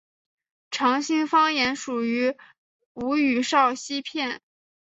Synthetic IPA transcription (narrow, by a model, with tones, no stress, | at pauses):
ʈ͡ʂʰɑ˧˥ŋɕi˥˧ŋfɑ˥ŋjɛ˧˥nʂu˨˩y˧˥ | u˧˥y˨˩ʂɑ˥˩ʊɕi˥pʰjɛ˥˩n